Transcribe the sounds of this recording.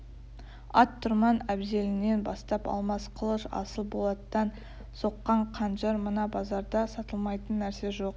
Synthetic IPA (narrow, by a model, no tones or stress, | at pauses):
ɑt̪ʰːʊɾmɑnæbze̞lɪne̞nbɑ̰st̪ɑpɑ̰lˠmɑsqʰəlˠəʃɑ̰səlˠbo̞lˠɑt̪d̪ɑn | so̞qːɑɴqʰɑnʒɑɾmənɑbɑzɑɾd̪ɑsɑt̪əlˠmɑjt̪ənːæɾse̞ʒo̞q̚